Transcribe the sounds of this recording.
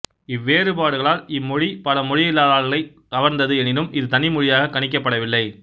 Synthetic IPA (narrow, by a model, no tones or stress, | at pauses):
ɪʋːeːrɯpaːɽɯɣɐɭaːlɪmːɔɻipɐlɐmɔɻɪjɪlːaːðaːlɣɐlɐɪ | kɐʋɐɾnd̪ɐðɯɛnɪnɯmɪðɯt̪ɐnɪmɔɻɪjaːɣɐkːɐɳɪk̬ːɐpːɐɽɐʋɪlːɐɪ